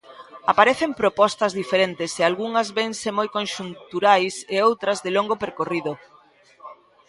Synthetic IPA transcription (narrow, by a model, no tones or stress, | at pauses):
apaɾeθempɾopɔst̪ɐzðifeɾent̪ɪsealɣuŋɐzβensemojkonʃunt̪uɾajseowt̪ɾɐzðeloŋɡopeɾkoriðo